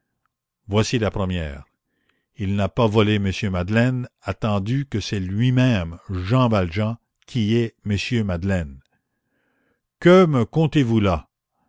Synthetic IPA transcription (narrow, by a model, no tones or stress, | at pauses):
vwasilapɾəmjɛ̰ːʁ | ilnapavɔleməsjømad̪lɛnat̪ɑ̃d̪ykəsɛlɥimɛ̃mʒɑ̃valʒɑ̃ | kʲʰiɛməsjømad̪lɛn | kəməkɔ̃t̪evula